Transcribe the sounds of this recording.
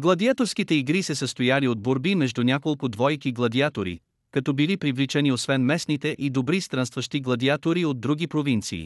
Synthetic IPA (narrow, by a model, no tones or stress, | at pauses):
ɡlˠɐd̪iat̪oɾskit̪ɛiɡɾisɛsəst̪ojaliod̪̚boɾbimɛʒd̪unʲakolˠkʊd̪vɔjkiɡlˠɐd̪iat̪oɾḭ | kɐt̪ɔbilipɾivlit͡ʃɛniosvɛnmɛsnit̪ɛʔid̪obɾist̪ɾanst̪vəʃt̪iɡlˠɐd̪iat̪oɾiod̪̚ːɾuɡ̟ʲipɾovint̪sḭː